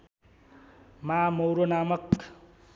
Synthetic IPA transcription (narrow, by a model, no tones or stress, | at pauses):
mamowɾonamʌk